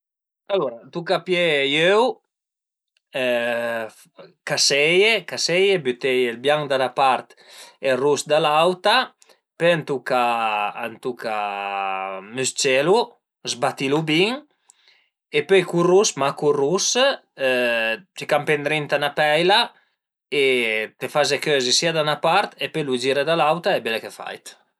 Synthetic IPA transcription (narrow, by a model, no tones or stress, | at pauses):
aluɾat̪ukapjejøw | kasɛjekasɛjebyt̪ɛjelbjaŋd̪alapaɾt̪erusd̪alawt̪a | pønt̪ukaa̰nt̪uka | myst͡ʃelu | zbat̪ilubiŋ | epøjkurusmakurus | t͡ʃikampend̪ɾint̪anapɛjla | et̪efazekøzesiad̪anapaɾt̪epøjlud͡ʒiɾed̪alawt̪aebɛlekefa̰jt̪